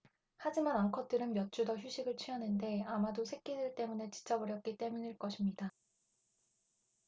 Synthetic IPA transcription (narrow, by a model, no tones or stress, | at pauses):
had͡ʑimanaŋkʰʌt͈ɯɾɯnmjʌt͡ɕ͈udʌçjuɕʰiɡɯɭt͡ɕʰɥianɯnde̞amadosʰe̞k͈̚idɯɭt͈e̞mune̞t͡ɕi̥t͡ɕ͈ʌbɯɾjʌk̚k͈it͈e̞muɲiɭk͈ʌɕʰimɲida